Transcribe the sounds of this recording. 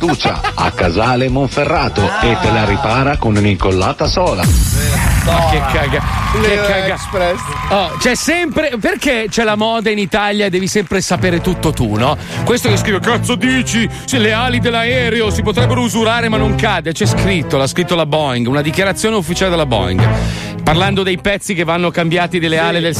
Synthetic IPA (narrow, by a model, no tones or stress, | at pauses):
d̪uːt͡ʃa̰a̰kːazaːlemoɱferːaːt̪oet̪ːelaɾipaːɾakonuniŋkolːaːt̪asɔːla̰ | makːekːaɡaekːaɡ | ɛ | ɔt͡ʃɛsɛmpɾeperket͡ʃɛlamɔːd̪ainit̪aljad̪ɛːvisɛmpɾesapeːɾet̪ut̪ːot̪unɔ | kwest̪okes̬kɾiːvekat̪sːod̪iːt͡ʃi | sileaːlid̪elːaɛːɾeosipot̪ɾɛbːeɾouzuɾaːɾemanːoŋkad̪et͡ʃɛskɾit̪ːolaskɾit̪ːolabɔiŋɡunad̪ikjaɾat̪sːjoːneufːit͡ʃaːled̪elabɔ̰ḭŋɡ | parland̪od̪ejpɛt̪sːikevːanːokambjaːt̪id̪elːeaːled̪el